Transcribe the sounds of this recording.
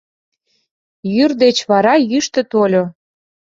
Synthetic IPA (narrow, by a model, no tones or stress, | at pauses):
jyrd̪et͡ɕβɑɾɑjyʃt̪ə̆t̪olʲo